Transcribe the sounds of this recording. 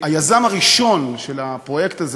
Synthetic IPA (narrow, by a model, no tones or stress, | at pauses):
ajazamaʁiʃo̞nʃelapʁo̞je̞kt̪az